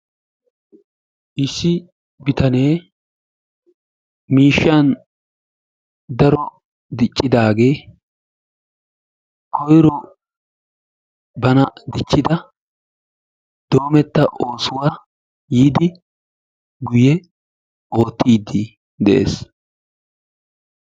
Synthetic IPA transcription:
ʔɪsːɪ | bɪt̪ɐne̞ː | miːʃːan | d̪ɐɾɔ | d̪ɪt͡ʃʼːɪd̪aːɡe̞ː | kʰɔjɾɔ | bɐnɐd̪ɪt͡ʃːɪd̪ɐ | d̪̥o̞ːmɛt̪ːɐʔoːsʊwaː | jiːd̪ɪ | ɡʊjɛ | ʔo̞ːt̪ːiːd̪ːi | d̪ɛʔe̞̰ːs

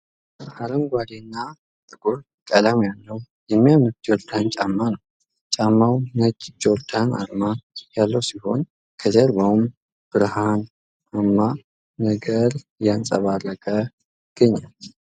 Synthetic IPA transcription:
aləmɡʷad̪enːa | t̪ʼɨɡol | kʼəlamjalːəw | jɛmːijamɨt̪̚d͡ʒoɾd̪ant͡ʃʼamːanəw | t͡ʃʼamːawnəd͡ʒd͡ʒoɾd̪ana̰ɾmajalːəwsiho̞̰n | kʰəd͡ʒɛɾbawm | b̥ɨɾhan | amːaː | əɡəɾ | jansʼəβarəkʼə | ɡ̥əɲːal

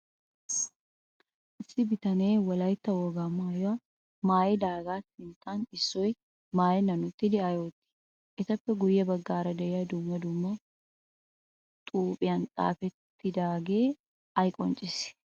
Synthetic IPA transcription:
ʔɪsːɪbɪt̪ɐneːwɐlɐjt̪ːɐwoːɡaːmːajoa | maːjɛd̪aːɡaːt̪ːɪnt̪ʰaːnɪsːɔj | maːjɛnɐnʊt̪ːɪd̪ɪɐjoːt̪ːɪ̥ | ʔɛt̪ɐpːɛɡʊjːɐbɐɡːaːɾɐd̪ɛɛjɐd̪umːɐd̪ʊmːɐ | t̪ʼuːpʼɪjɐnt̪ʼa̰ːfɛt̪ːɪd̪aːɡe̞ː | ɐjkʼɔnt͡ʃʼɪs

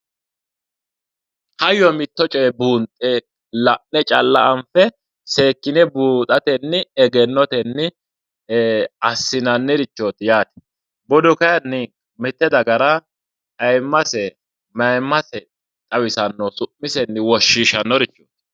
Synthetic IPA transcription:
hɐjːɔmɪt̪ːɔt͡ʃʼɔjɛbuːnt̪ʼeː | lɐʔnɛt͡ʃʼɐlːɐʔɐnfɛ | se̞ːkːɪnɛbuːt̪ʼɐt̪ɛnːɪɛɡɛnːɔt̪ɛnːɪ | ɐsːɪnɐnːɪɾɪt͡ʃːoːt̪jaːt̪ɛ̥ | bɔd̪ʊkɐjɐnːɪ | mɪt̪ːɛd̪ɐɡɐɾɐ | ɐjmːɐsɛ | mɐjmːɐsɛ | t̪ʼɐwɪsɐnːɔsʊʔːɪsɛnːɪwɔʃːiːʃɐnːɔɾɪt͡ʃːo̰ːt̪

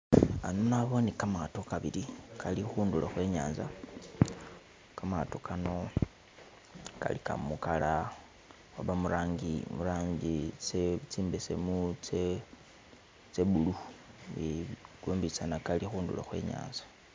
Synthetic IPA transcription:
anonaβonikamato̞kaβiɾikʰalixuːndulaxwe̞ːɲa̰ːnza | kamatokʰano̞ | ka̰lika̰mukala | waβamuɾaːŋɡimuɾaːɲɡit͡set͡siːmbesḛmut͡se | t͡seβuluβiɡ̥uːmbit͡sanakalixuːndṵla̰xwe̞̰ːɲa̰ːnzḁ

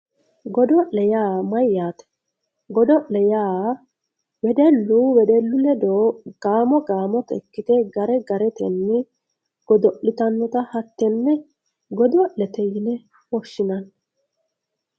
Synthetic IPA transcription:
ɡɔd̪ɔɛjaːmɐjːaːt̪ɛ̥ | ɡɔd̪ɔʔɛjaː | wɛd̪ɛlːuwɛd̪ɛlːʊlɛd̪oːɡ̥aːmɔɡaːmɔt̪ɛ̰kːɪt̪ɛɡɐɾɛɡɐɾɛt̪ɛnːɪ | ɡ̥ɔd̪ɔʔɪt̪ɐnːɔt̪ɐhɐt̪ːɛnːɛ | ɡɔd̪ɔʔlɛt̪ɛjɪnɛ | wɔʃːɪnɐn

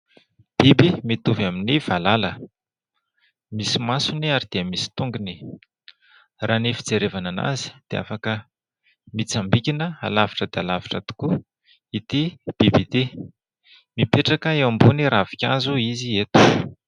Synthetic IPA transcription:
b̥ibimit̪uvaminiv̥alalə | misimasuniaɾid̪̥iəmisi̥t̪uŋɡini | raːnifid͡zeɾevanana̰zi̥d̪̥ea̰fakə | mit͡sambikʲinəa̰lavi̥ʈ͡ʂəd̪ealavi̥ʈ͡ʂət̪u̥ku | it̪ib̥ibit̪i | mipeʈ͡ʂakəewambuniɾavi̥kʲa̰zuiziet̪u̥

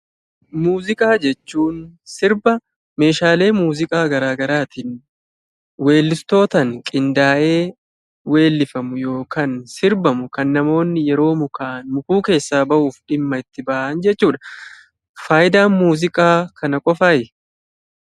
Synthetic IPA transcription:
muːzɪkʼaːd͡ʒɛt͡ʃːuːnsɪɾbɐ | me̞ːʃaːle̞ːmuːzɪkʼaːɡɐɾaːɡɐɾaːt̪iːn | we̞ːlːɪst̪o̞ːt̪ɐŋkʼɪnd̪aːʔe̞ː | we̞ːlːɪfɐmʊjo̞ːkansɪɾbɐmʊkɐnːɐmo̞ːnːɪjɛɾo̞ːmʊkaːnmʊkuːke̞ːsːaːbɐʔuːfᶑɪmːɐɪt̪ːɪbɐʔɐnd͡ʒɛt͡ʃːuːᶑɐ | faːjɪd̪aːnmuːzɪkʼaːkʰɐnɐkʼɔfaːjɛ

